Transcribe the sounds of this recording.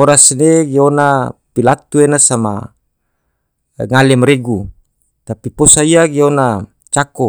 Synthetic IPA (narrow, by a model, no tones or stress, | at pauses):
oɾasneɡeonapilat̪uenasama̰ | ŋalɛmɾeɡu | t̪apiposaiaɡeona | t͡ʃakɔ